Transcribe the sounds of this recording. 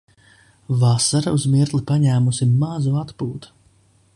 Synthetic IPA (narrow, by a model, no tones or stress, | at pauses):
vasaɾauzmiɾt̪lipaɲæːmusiːazuat̪puːt̪u̥